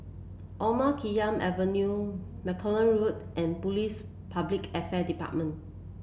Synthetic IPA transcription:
ʔɔmakʰijãmʔɛvənju | mɛkʰɔlə̃nɹutʔɛ̃npulis | pʰablikɛfɛdipa̰t̚mə̃n

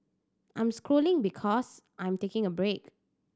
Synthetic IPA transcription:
ʔã̰j̃mskɹolɪ̃ŋbikʰɔsʔãj̃mtekɪ̃ŋəbɹek

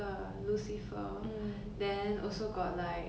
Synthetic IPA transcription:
ə | lusifə | dɛ̃nɔlsoɡɔt̚laɪk

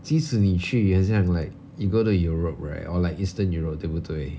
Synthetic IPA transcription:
tisunit͡ʃyɛ̃ns̬ãŋlaɪk̚ | juɡoɾujuɹop̚ɹa̰ɪtɔlaɪkistə̃njuɹop̚debutʰwe

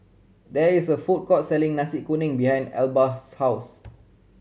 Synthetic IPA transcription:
dɛisəfut̚kɔtsɛlĩŋnasikunɪ̃ŋbihãj̃ndɛ̰lbashaws

